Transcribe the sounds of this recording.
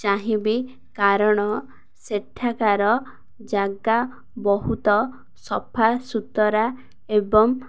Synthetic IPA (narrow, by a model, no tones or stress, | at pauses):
t͡ʃaɦĩbi | kaɾɔɽ̃ɔ | seʈʰːakaɾɔ | d͡ʒaɡa | bɔɦut̪ɔ | sɔpʰasut̪ɔɾa | ebɔŋ